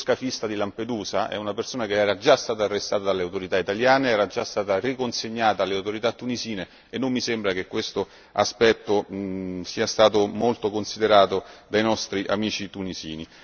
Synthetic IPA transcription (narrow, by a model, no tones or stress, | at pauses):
skafist̪ad̪ilamped̪uːzaʔɛ̰unapersoːnakeɛːɾad͡ʒast̪aːt̪aːrːest̪aːt̪ad̪alːeawt̪oɾit̪ait̪aljaːneɛːɾad͡ʒast̪aːt̪arikonseɲːaːt̪aːlːeawt̪oɾit̪at̪ːuniziːne | enːomːisembɾak̟ekːwest̪o | a̰spɛt̪ːosiːast̪aːt̪̬omolt̪okonsid̪eɾaːt̪od̪ajnɔst̪ɾiʔa̰miːt͡ʃit̪unizḭːni